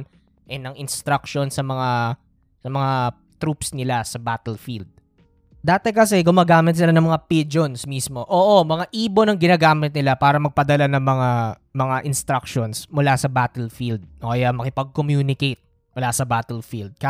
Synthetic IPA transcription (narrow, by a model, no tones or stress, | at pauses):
n | ʔɛnɐŋʔɪnst̪ɾɐkʃonsɐmɐŋa | sɐmɐŋa | t̪ɾupsnɪlasɐbaːt̪ɛlfild̪̚ | d̪aːt̪ɛkɐsɛɡʊmaːɡaːmɪt̪̚sɪlanɐŋmɐŋapid͡ʒonsmismo̞ʔoːʔomɐŋaʔiːbo̞nɐŋɡɪnaːɡaːmɪt̪̚nɪlapaːɾɐmɐɡ̚pɐd̪ɐlanɐŋmɐŋamɐŋaʔɪnst̪ɾɐk̚ʃonsmʊlasɐbaːt̪ɛlfild̪̚okɐjamɐkɪpɐɡ̚komjuːnɪkejt̪̚ | mʊlasɐbaːt̪ɛlfild̪̚kɐ